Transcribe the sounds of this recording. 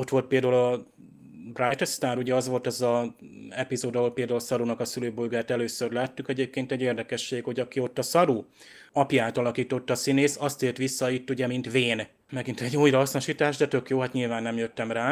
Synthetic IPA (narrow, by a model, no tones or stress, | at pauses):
o̞t̪ʋo̞lt̪̚peld̪ɐuɒ | brajt̪st̪aːɾuɟɛɒzʋo̞lt̪ɛzɒɛpizoːd̪ɒɦolpeːld̪aːulsɒɾunɒkɒsyløːbolɡaːt̪ɛløːsørlaːt̪ːukɛɟeːp̚keːnt̪ɛɟːeːrd̪ɛkɛʃːeːɡho̞ɟɒkio̞t̪ːɒsɒɾu | ɒpjaːt̪ɒlɒkiːt̪o̞t̪ːɒsineːsɒst̪eːlt̪ʋisːɒit̪ːuɟɛmint̪ʋeːn | mɛɡint̪ɛɟːujrɒɦɒsnoʃiːt̪aːʒd̪ɛt̪ø̞kjoːɦaːt̪ɲilvaːnːɛmjøt̪ːɛmraː